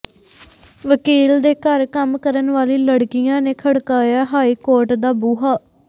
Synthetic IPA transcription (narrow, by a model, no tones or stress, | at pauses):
ʋəkiːld̪eːkəɾkəmkəɾənʋaːliːləɽkɪjãːneːkʰəɽkaːjaːɦaːiːkoːɾʈd̪aːbuːɦaː